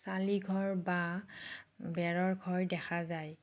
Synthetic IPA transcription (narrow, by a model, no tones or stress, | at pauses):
saliɡʱɔɹba | bɛɹɔɹɡʱɔɹdɛxazaj